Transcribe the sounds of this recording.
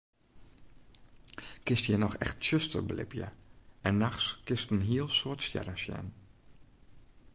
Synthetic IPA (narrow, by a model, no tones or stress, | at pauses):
kɪstjənɔxɛ̰xtʃøstə̰rblɪ̰pjə̰ɛnːaxskɪstn̩ɦiəlˠsoətstjɛ̰ɾəsjɛ̰n